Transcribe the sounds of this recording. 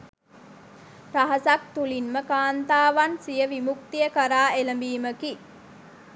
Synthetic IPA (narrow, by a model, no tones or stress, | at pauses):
ɾɐɦɐsak̚t̪ulinməkaːnt̪aːʋansijəʋimukt̪ijəkɐɾaːeləmbiːməki